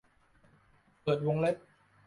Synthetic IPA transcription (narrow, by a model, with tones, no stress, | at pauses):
pɤː˨˩t̪̚wo˧ŋle˦˥t̚